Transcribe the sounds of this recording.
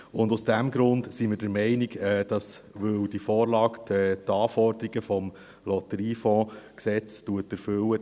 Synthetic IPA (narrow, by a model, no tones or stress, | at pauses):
ʊnduʊsd̥æmɡɾʊndsiməɾd̥əɾmɛɪniɡɛːd̥ɑsʋɵwdifɔːɾlɑːktɛːtɑːfɔɾd̥̪əɾiɡəfɔm | lɔtəɾiːfɔ̃ːksɛt͡stuətæɾfɵwə